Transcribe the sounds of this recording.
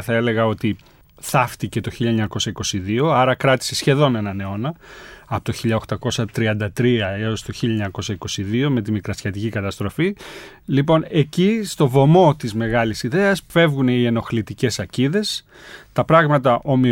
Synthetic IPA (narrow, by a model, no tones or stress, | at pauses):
θɐe̞le̞ɣɐo̞t̪i | θɐft̪ice̞t̪o̞çilʎɐeɲɐko̞sɐiko̞siðio̞ɐɾɐkɾɐt̪i̥se̞sçe̞ðo̞ne̞nɐne̞o̞nɐɐpot̪oçiʎɐoxt̪ɐko̞sɐt̪ɾiɐnd̪ɐt̪ɾiɐe̞o̞st̪oçiʎɐeɲɐko̞sɐiko̞siðio̞me̞t̪̬imikɾɐsçɐt̪icikɐt̪ɐst̪ɾo̞fi | lipo̞ne̞cist̪o̞vo̞mo̞t̪izme̞ɣɐlisiðe̞ɐsfe̞vɣuneieno̞xlit̪ice̞sɐciðe̞s | t̪ɐpɾɐɣmɐt̪ɐʔo̞mi